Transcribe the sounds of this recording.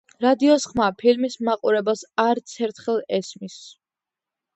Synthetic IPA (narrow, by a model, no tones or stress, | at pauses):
ɾad̪iɔsχmapʰilmismaqʼuɾɛbasaɾt̪sʰɛɾt̪ʰχɛlˠɛsmis